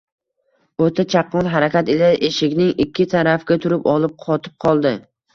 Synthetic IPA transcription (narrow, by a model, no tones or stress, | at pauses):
ot̪ʰat͡ʃʰaqʰːɑnɦaɾakʲat̪elaʔeʃɪkʲnɪŋɪkʲʰːɪt̪ʰaɾafɡʲat̪ʰʊɾɪpɒlˠɪp̚qʰɒt̪ʰɪ̥p̚qʰɒlˠd̪ɪ